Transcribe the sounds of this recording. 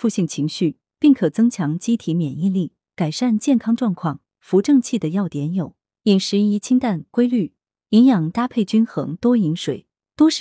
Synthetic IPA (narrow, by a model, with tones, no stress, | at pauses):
fu˥˧ɕi˥˩ŋt͡ɕʰi˧˥ŋɕy˥˩ | pi˥˩ŋkʰɤ˨˩t͡sɤ˥ŋt͡ɕʰjɑ˧˥ŋt͡ɕi˥t̪ʰi˧˥mjɛ˨˩ni˥˧li˥˩ | ka˨˩ɪʂa˥˧nt͡ɕjɛ˥˩nkʰɑ˥ŋʈ͡ʂwɑ˥˧ŋkʰwɑ˥˩ŋ | fu˧˥ʈ͡ʂɤ˥˧ŋt͡ɕʰi˥˩d̪ə˩jɑ˥˩ʊt̪jɛ˧˥njo˨˩˦ʊ | i˨˩ŋʂɻ̩˧˥i˧˥t͡ɕʰi˥ŋt̪a˥˩nkwe˥ɪly˥˩ | i˧˥njɑ˨˩ŋt̪a˥pʰe˥˩ɪt͡ɕy˥nxɤ˧˥ŋt̪wɔ˥i˧˥ŋʂwe˨˩ɪ | t̪wo˥ʂ